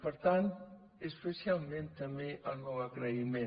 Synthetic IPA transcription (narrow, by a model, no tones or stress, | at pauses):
pəɾt̪ant̪ | espesjalˠmẽnt̪ːəmeʔəlnɔwaɣɾəimẽ